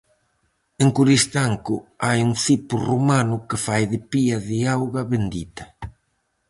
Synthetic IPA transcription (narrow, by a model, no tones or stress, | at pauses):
eŋkuɾist̪aŋkʊajuŋθipʊrumanʊkɪfajðɪpiɐðɪawɣɐβend̪it̪ɐ̥